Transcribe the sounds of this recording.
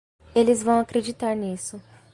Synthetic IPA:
elɪzvɐ̃w̃akɾed͡ʒit̪aɾnisʊ

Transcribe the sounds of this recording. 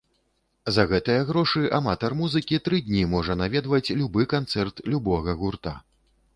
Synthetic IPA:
zɐɣɛt̪ɨjɐɣɾɔʂɨʔamat̪ɐrmuzɨkʲit̪ɾɨd̪ʲnʲimɔʐɐnavʲɛd̪vɐt͡sʲlʲubɨkant̪sɛrt̪lʲubɔɣɐɣurt̪a

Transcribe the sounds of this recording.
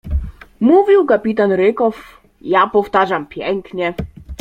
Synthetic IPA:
muvʲiwkapʲit̪̬anɾɘkɔf | japɔft̪aʐampʲjɛŋkɲɛ

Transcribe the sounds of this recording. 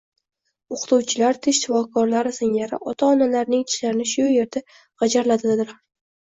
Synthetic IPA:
oqt̪uwt͡ʃʰɪlaɾt̪ʰeʃt̪ɪfɒkʰɒɾlaɾɪsɪŋlaɾɪ̰ʔɒt̪ʰaɒnalaɾnɪŋt̪ʰɪ̥laɾɪnɪʃʊje̞ɾd̪a | ʁɑd͡ʒaɾlad̪ɪad̪ɪɾ

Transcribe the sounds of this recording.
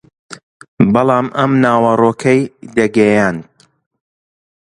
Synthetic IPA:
bɑlˠɑːmʔɐmnaːwɐroːkʰɐjd̪ɐɡɐjaːnd̪̚

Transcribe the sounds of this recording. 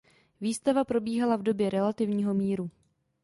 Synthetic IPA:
viːst̪avapɾo̞biːɦalavdo̞bjɛɾɛlat̪ɪvɲiːɦo̞miːɾu

